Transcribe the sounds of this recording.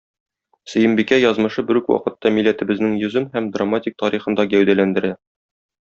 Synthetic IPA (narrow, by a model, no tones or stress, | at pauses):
sɵ̆jɘ̆mbikæjɒzmɤ̆ʃɤbɘɾʉkwɒ̰qɤ̆t̪ːɑmilːæt̪ɘ̆bɘ̆znɘŋjɵ̆zɘmhæmd̪ramːatʲik̚t̪ɒɾiχɤ̆nd̪ɑɡæwd̪ælænd̪ɘ̆ɾæ